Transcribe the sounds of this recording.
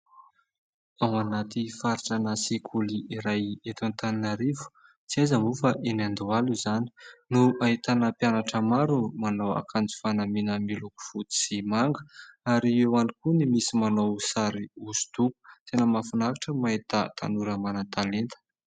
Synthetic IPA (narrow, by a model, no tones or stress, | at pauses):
awanat̪ifaɾiʈ͡ʂanəsikʰuliiɾajet̪ant̪aninaɾivu̥ | t͡siajzəmufaʔenand̪ualuzani̥nuaɦit̪anəpjanaʈ͡ʂəmaɾumanowa̰kʰand͡zu̥fanaminəmiluku̥fut̪i̥simaŋɡə̥aɾiewanikunimisimanowsaɾiuzu̥t̪uku̥t̪enəmafunakiʈ͡ʂəmait̪at̪ʰanuɾəmanat̪alent̪ə̥